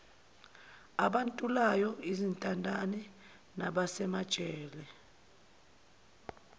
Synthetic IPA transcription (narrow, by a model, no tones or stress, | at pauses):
aɓantʼulajɔizintʼandʱanɛ | naɓasɛmad̥t͡ʃʼɛːlɛ